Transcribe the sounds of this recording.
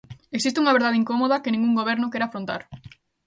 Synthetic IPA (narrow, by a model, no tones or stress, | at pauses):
eksist̪uŋɐβeɾðaðeiŋkomoðɐkɪnĩŋɡuŋɡoβ̞ɛɾnʊkɛɾafɾõnt̪a̰ɾ